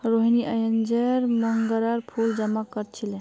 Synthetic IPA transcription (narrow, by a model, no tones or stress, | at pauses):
ɾoɦiniʔəjənd͡ʒəɾməŋɡəɾaɾpʰuld͡ʒəmakəɾt͡ʃʰile